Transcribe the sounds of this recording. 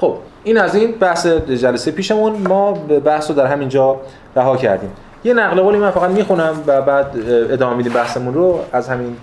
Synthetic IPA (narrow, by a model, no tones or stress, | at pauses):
xob̥ | iːnæzinbæhsed͡ʒælæsejepʰiːʃe̞munmɒːbæhsroːd̪æɾɦæmind͡ʒɒː | ɾæɦɒːcʰæ̰ɾd̪iːm | je̞næɣle̞ɣoːlimænfæɣæd̪miːxunæmvæbæːd̪ed̪ɒːmemid̪imbæhsemunroæzhæmin